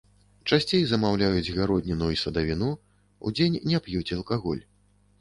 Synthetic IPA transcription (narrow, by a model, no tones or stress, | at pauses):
t͡ʂasʲt͡sʲejzɐmawlʲajud͡zʲɣaɾɔd̪ʲnʲinuisɐd̪avʲinu | ṵd͡zʲenʲnʲɛpjut͡sʲɐlˠkaɣɔ̰lʲ